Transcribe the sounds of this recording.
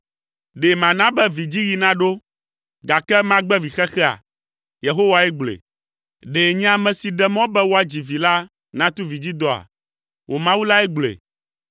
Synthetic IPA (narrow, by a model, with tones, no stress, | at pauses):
ɖe˨mã˨nã˦bɛ˦vi˨d͡ʑi˦ji˨nã˦ɖo˦ | ɡa˨kɛ˦mã˦ɡ͡bɛ˦vi˨xɛ˦xɛ˦a̰˨ | je˨ɦo˦wa˨ɛ˦ɡ͡blḛ˨ | ɖe˨ɲ˦ã˦mɛ̃˨si˨ɖɛ˦mɔ̃˦bɛ˦wo˦a˨d͡ʑi˨vi˨la˦ | nã˦t̪u˦vi˨d͡ʑi˦d̪ɔ˨a̰˨ | wʔo˨mã˦wu˦la˦ɛ˦ɡ͡blḛ˨